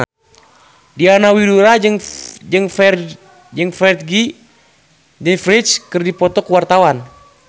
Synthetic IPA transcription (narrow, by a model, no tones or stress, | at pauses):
dianawiduɾad͡ʒŋd͡ʒəŋf | d͡ʒəŋfɛrt̪̚ɡi | d͡ʒəŋfɾit͡ʃkərdipɔt̪ɔkəwart̪awan